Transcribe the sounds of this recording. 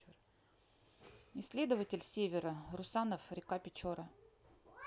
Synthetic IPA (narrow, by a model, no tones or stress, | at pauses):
ɪsʲlʲed̪əvətʲɪlʲsʲevʲɪɾərʊsanəfɾʲɪkapʲɪt͡ɕoɾə